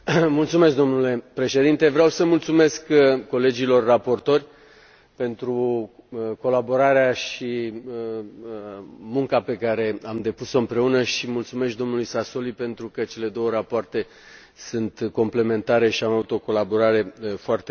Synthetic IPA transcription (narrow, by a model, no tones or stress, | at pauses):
mult̪sume̞s̬k̚d̪o̞mnule̞pɾe̞ʃe̞d̪int̪e̞vɾeawsəmult̪sume̞skkːo̞le̞d͡ʒilo̞rːapo̞rt̪o̞rʲ | pe̞nt̪ɾu | ko̞labo̞ɾaɾeaʃi | mũŋkape̞kaɾe̞amd̪e̞puso̞ɨmpɾe̞unəʃimult̪sumesk̪̚d̪o̞mnulujsaso̞lipe̞nt̪ɾukət͡ʃe̞le̞d̪o̞wəɾapoart̪e̞ | sɨnt̪ko̞mple̞me̞nt̪aɾe̞ʃiamavut̪o̞ko̞labo̞ɾaɾe̞foart̪e